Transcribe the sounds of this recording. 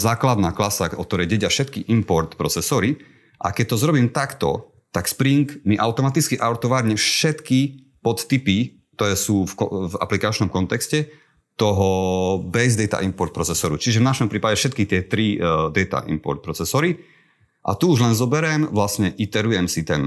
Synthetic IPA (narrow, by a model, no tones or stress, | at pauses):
zaːklad̪naːklasaʔɔ̰k̚t̪ɔɾɛjɟɛɟɪafʃɛt̪kiʔimpɔɾt̪pɾɔt͡sɛsɔɾi | ʔa̰kɛc̚t̪ɔzɾɔbiːmt̪akt̪ɔ̰ | t̪akspɾiŋkmiʔaʊt̪ɔmat̪it͡skiʔaɔɾt̪ɔʋaɾɲɛfʃɛt̪ki | pɔt̪t̪ipi | k̚t̪ɔɾɛːsuːfkɔva̰plikat͡ʃnɔmkɔnt̪ɛkscɛ | t̪ɔɦɔbɛzd̪ɛjt̪a̰ʔimpɔɾt̪pɾɔt͡sɛsɔɾut͡ʃiʒɛvnaʃɔmpɾiːpaɟɛfʃɛt̪kit̪ɪɛt̪ɾid̪ɛt̪a̰ʔḭmpɔ̰ɾt̪̚pɾɔt͡sɛsɔɾi | ʔa̰t̪uuʒlɛnzɔbɛɾɛmʋlasɲɛʔit̪ɛɾujɛmsit̪ɛn